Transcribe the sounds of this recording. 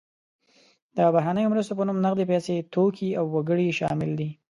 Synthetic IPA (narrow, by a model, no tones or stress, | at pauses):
d̪̥əbaɦɾanəjomɾast̪op̬ənumnaɣd̪epɛset̪okʰiawːaɡəɽiʃɑ̰mɪld̪i